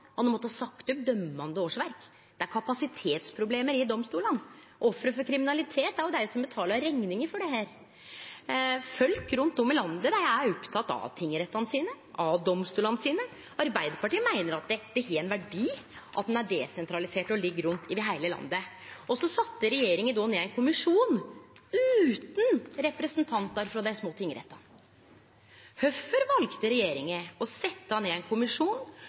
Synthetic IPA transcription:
mɑt̪ɛnmɔt̪ːəhɑsɑkt̪ʉp̚d̪œmːɑnd̪əoːʂʋæɾk | d̪̥ɛæɾkʰɑpɑsɪt̪ʰeːt̪spʰɾʊbleːməɾɪd̪ɔmst̪uːlən | ʔɔfːɾəfɔɾkʰɾɪmɪnɑlɪt̪ʰeːt̪æɾjʊd̪ɛæɾjʊsɔmbət̪ʰɑːləɾɛŋnɪŋəɾfɔɖɛɦæːɾ | fœlkɾʉnt̪d̪ɔmːɪlɑnd̪əd̪ææɔpt̪ʰɑt̪ːɑ̰ʋt̪ʰɪŋːəɾɛt̪ːɑnəsiːnə | ʔɑʋd̪ɔmst̪uːlɑnəsiːnə | ɑɾbæɪd̪əɾpɑʈiːəmæɪnəɾɑt̪̚d̪ɛd̪̥ɛçeːɛnʋæɖiːʔɑ̰t̪̚d̪ɛnæɖɛsɛnt̪ʰɾɑlɪseːʈɔlɪɡːəɾʉnt̪ɪʋɪɦæɪləlɑ̰nd̪ə | ɔsɔsɑt̪ːəɾɛjeːɾɪŋənd̪ɔneːænkʰʊmɪʂuːnʉːt̪nɾɛpɾɛsnt̪ʰɑnt̪ɑɾfɾɑd̪æɪsmoːt̪ʰɪŋːəɾɛ̰t̪ːɑn | hœfəɾʋɑlkt̪əɾɛjeːɾɪŋəɔsɛt̪ːəhɑneːɛnkʰʊmɪʂuːn

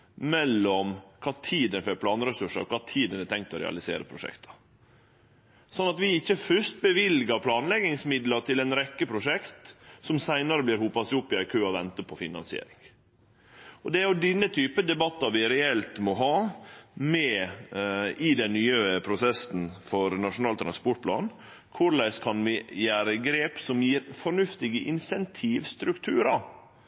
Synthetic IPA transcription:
mɛlːɔmkʰɑːt̪ʰiːd̪ənføɾpʰlɑːnɾɛsʉʂə̰ɾkʰɑːt̪ʰiːd̪ənɛt̪ʰɛŋk̚t̪ɔɾɛ̰ɑ̰lɪsḛːɾə̰pʰɾʊʂɛ̰kt̪ʰɑ̥ | sɔnːɑt̪ʋɪɪçːəfʏʂt̪̚bəʋɪlɡəɾpʰlɑːnlɛɡɪŋsmɪd̪lɑʈ̪ʰɪlɛnɾɛkːəpʰɾʊʂɛkt̪sɔmsæɪnɑɾəblɪːɾhuːpɑsʊpːɪɑɪkʰøːɔʋɛnt̪əpʰɔfɪnɑ̰nsɪḛːɾɪŋ | ɔd̪ɛæɾjʊd̪ɪnːət̪ʰyːpəd̪ɛbɑt̪ːɑʋɪɾɛɛlt̪mɔɦɑːmɛ | ɪd̪ɛnnːyːəəpʰɾʊsɛsn̩fɔɾnɑʂʊnɑːlt̪ɾɑnspɔʈ̚pʰlɑ̰ːn | kʰʊɾlæɪskʰɑnʋɪjæːɾəɡɾeːpsɔmjiːɾfɔɾɳʉft̪ɪɡəʔɪnsɛnt̪ʰiːʋst̪ɾʉkt̪ʰʉːɾɑ

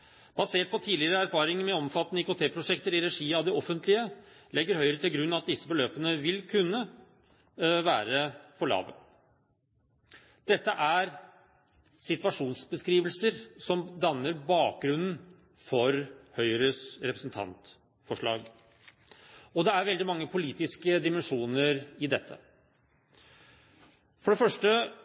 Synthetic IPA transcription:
b̥ɑseːʈ̚pʰɔt̪ʰiːlɪəɾəæɾfɑːɾɪŋəmɛɔmfɑt̪ːnəɪkʊt̪ʰeːpʰɾʊʂɛkt̪əɾɪɾɛʂiːɑʋd̪ɪɔfənt̪lɪəlɛɡːəɾhœʏəɾət̪ʰɪlɡɾʉnːɑt̪̚d̪ɪsːəbəløːpənəʋɪlkʰʉnːə | ʋæːɾəfɔɭɑ̰ːʋə̰ | d̪̥ɛt̪ːəʔæɾ | sɪt̪ʋɑʂuːnsbəskɾiːʋəlsəɾsɔmd̪ɑnːəɾbɑːk̚ɡɾʉnn̩ | fɔɾhœʏɾəsɾɛpɾəsn̩t̪ʰɑ̰nt̪ | fɔʂɭɑ̰ːɡ | ɔd̪ɛæɾʋɛld̪ɪmɑŋːəpʰʊliːt̪ɪskəd̪ɪmɛnʂuːnəɾɪd̪ɛt̪ʰːə̰ | fɔɖɛfœʂʈə

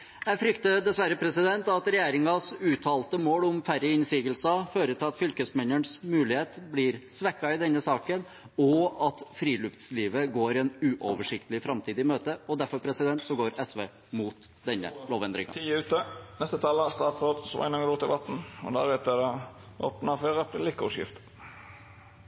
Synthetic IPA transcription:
jæɪfɾʏkt̪əd̪ɛsʋæɾːəpʰɾɛsɪd̪ɛnt̪ɑt̪ɾɛjeːɾɪŋɑsʉːt̪ʰɑːlt̪əmoːlʊmfæɾəɪnsiːɡəlsɑføːɾət̪ʰɪlɑt̪fʏlkəsmɛnːəɳsmʉːlɪheːt̪blɪɾsʋɛkːɑɪd̪ɛnːəsɑːkən | ɔɑt̪fɾiːlʉft̪sliːʋəɡoːɾɛnʉːʔɔʋəʂɪkt̪əlɪfɾɑmt̪ʰiːd̪ɪmøːt̪əɔd̪æɾfɔɾpʰɾɛsɪd̪ɛnt̪sɔɡoːɾɛsʋeː | muːt̪ | d̪ɛnːə̰loːʋɛnd̪ɾɪ̰ŋɑ̰t̪ʰiːəʉːt̪ənɛst̪ət̪ʰɑləst̪ɑːt̪sʁoːd̪sɔʋɑ̰ɪnɑŋəd̪uːt̪ʰɪʋɑt̪n̩ɔ̰d̪æ̰ʁɛt̪əd̪ɑ | o̰ːpnɑfeːʁəplɪlɪkːɔʂjɪ̰ft̪

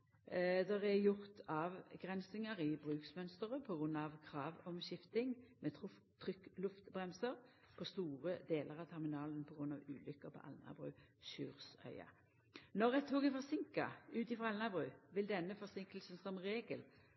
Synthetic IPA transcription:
d̪ɛʁɛjʊʁt̪ʰɑːʋɡʁɛnsɪŋəɾɪbʁʉːksmœnst̪əʁəpʰɔɡʁʉnːɑʋkʰʁɑːʋɔmʃɪft̪ɪŋmɛt̪ʰʊ | t̪ʰːʁʏkːlʉft̪bʁɛmsəʁ | pʰɔst̪uːʁəd̪eːlʔəʁɑʋt̪ʰɛʁmɪnɑːlənpʰɔɡʁʉnɑʋʉːlʏkːəpʰɔ̰ʔɑ̰lnɑ̰bʁʉ̰ːʃʉːʁsœ̰ʏɑ̰ | nɔɾɛt̪ʰːuːkɛfɔʁsɪŋkɑ̰ʉːt̪ɪfʁɑɑlnɑbʁʉːʋɪld̪ɛnːəfɔʁsɪŋkəlsn̩sɔmʁeːɡəl

